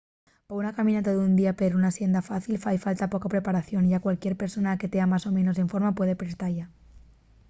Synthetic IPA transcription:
paunakamĩnat̪oðund̪iapeɾunasje̞nd̪afaθilfajfalt̪apo̞kapɾe̞paɾaθjo̞nʝakwalkje̞ɾpe̞ɾso̞nake̞t̪eamaso̞mẽ̞no̞seɱfo̞ɾmapwe̞ð̞e̞pɾe̞st̪aɾʝa

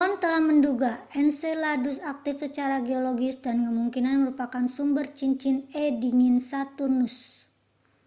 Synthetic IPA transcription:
ɔnt̪əlahmənduɡaɛnseladusak̚t̪ɪfsət͡ʃaɾaɡeoloɡɪsdankəmuŋkinanməɾupakansumbərt͡ʃiɲt͡ʃɪnɛdiŋinsat̪urnʊs

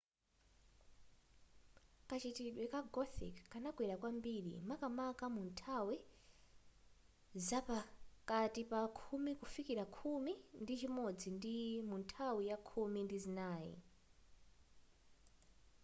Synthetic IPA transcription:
kat͡ʃitiɗwɛkaɡɔθḭkːanakwɛɾakwambiɗḭmakamakamuntʰawi | zapakatipakʰumikufikiɾakʰumindit͡ʃimɔd͡zindimuntʰawijakʰumindizinaːjḭ

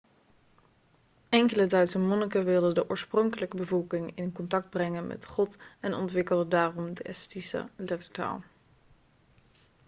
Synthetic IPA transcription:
ɛŋkələdœɥtsəmɔnəkaʋɪlˠdədəʔɔːɹsprɔŋkələkəbəvɔlˠkɪŋɪnkɔntɑk̚d̚brɛŋənmʔɛ̰tχɔtɛnɔ̰ntʋɪkəlˠdədaːrɔmdəʔɛstisə̰lɛtəɹta̰ːlˠ

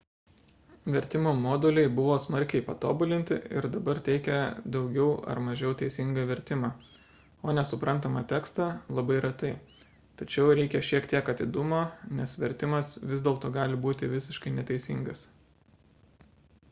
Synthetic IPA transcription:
ʋʲɛɾʲt̪ʲɪmoːmoːd̪ʊlʲɛɪbʊʋoːsmɐɾʲkʲɛɪpɐt̪oːbʊlʲɪnʲt̪ʲɪ̰ɪ̰ɾd̪ɐbɐɾt̪ʲɛɪkʲɛd̪ɒʊɡʲɛʊɐ̰ɾmɐʒʲɛʊt̪ʲɛɪsʲɪŋɡɐʋʲɛɾʲt̪ʲɪmɑː | oːnʲɛsʊpɾɐnt̪ɐmɐt̪ʲæːkst̪ɑlˠɐbɐɪɾɐt̪ɐɪ | t̪ɐt͡ʃʲɛʊɾʲɛɪkʲɛʃʲiɛkt̪ʲiɛkɐt̪ʲɪd̪ʊmoːnʲɛsʋʲɛɾʲt̪ʲɪmɐsʋʲɪzd̪ʲeːlˠt̪oːɡɑːlʲɪbuːt̪ʲɪʋʲɪsʲɪʃkɐɪnʲɛt̪ʲɛɪsʲɪ̰ŋɡɐs

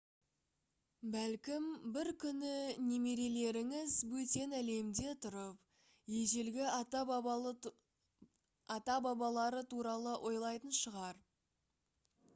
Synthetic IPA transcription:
bælkʲɪmbɪɾkʲʰʏnɪne̞me̞ɾe̞le̞ɾɪŋɪzwɵt̪e̞næle̞md̪e̞t̪ʰʊɾəp | je̞ʒe̞lɡʲɪ | ɑt̪ɑbɑbɑlˠɑɾət̪ʰuɾɑlˠəʔo̞jlˠɑjt̪ənʃəʁɑɾ

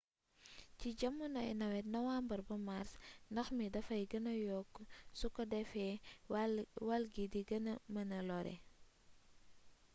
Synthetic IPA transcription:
ciɟɐmːunɐɛ̰nɐwɛt̚nɐwaːmbɐɾbɐmaɾsndɐxmidɐfɐjɡɐnɐjɔkːsukɐdɛfɛ | walɡidiɡɐnɐmɐnɐlɔɾɛ̰

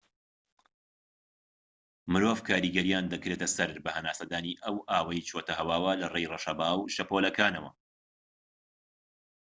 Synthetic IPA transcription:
mɨɾoːvkʰaːɾiːɡɐɾijaːnd̪ɐkɾeːt̪ɐsɐɾbɐhɐnaːsɐd̪aːniʔɐwʔaːwɐjt͡ʃʰoːt̪ɐhɐwaːwɐlɐrejroʃɐbaːwʃɐpoːlɐkʰaːnɐwɐ̰

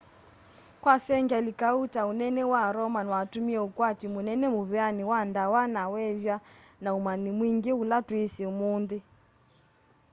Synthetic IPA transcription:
kwasɛŋɡɛlikautaunɛnɛwaɾɔmanwatumiɛukwatimunɛnɛmuβɛaniwandawanawɛvjanaumanimwiŋɡɛulatwisɛumundɛ

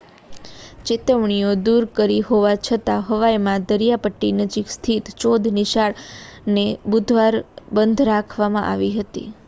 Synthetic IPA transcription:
t͡ʃɪt̪əʋɳijod̪uɾkəɾiɦoʋat͡ʃʰət̪aɦəʋajmãd̪əɾijapəʈːinəd͡ʒikst̪ʰit̪t͡ʃod̪ʱnɪʃaɭnebud̪ʱʋaɾbənd̪ʱɾakʰʋamãʔa̰ʋiɦət̪ḭ

